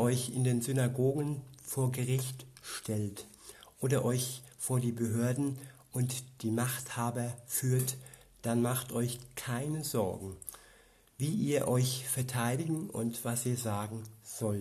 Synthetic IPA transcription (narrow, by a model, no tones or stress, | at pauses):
ɔʏçɪndeːnzʏnaɡoːɡən̩foːɐɡəʁɪçtʃtʰɛlt | ʔoːdɐʔɔʏçfoːɐdiːbəɦøːɐdn̩ʔʊntd̥iːmaχthaːbɐfyːɐtd̥anmaχtʔɔʏçkʰaɪnəzɔɐɡŋ̩ | viːʔiːɐʔɔʏçfɛɐtʰaɪdɪɡŋ̩ʊ̰ntv̥asiːɐzaːɡŋ̩z̥ɔl